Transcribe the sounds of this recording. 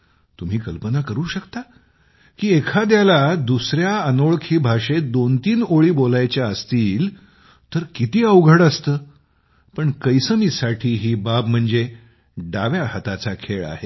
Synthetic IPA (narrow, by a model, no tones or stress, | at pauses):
t̪um̤iːkəlpənakəɾuːɕəkt̪a | kiːekʰad̪jalad̪usɾjaənoɭkʰiːbʱaʂed̪ont̪iːnoɭiːbolajt͡ɕjaəst̪iːl | t̪əɾkit̪iːəwɡʱəɽəst̪əː | pəɳkəjsəmiːsaʈʰiːɦiːbab̚m̤əɳd͡ze | ɖaʋjahət̪at͡sakʰeɭa̰ɦe